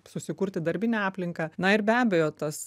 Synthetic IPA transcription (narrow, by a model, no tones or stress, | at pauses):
sʊsʲɪkuɾʲt̪ʲɪd̪ɐɾʲbʲɪnʲɛɑːpʲlʲɪŋkɐnɐɪrbʲæːbʲɛjoːt̪ɐs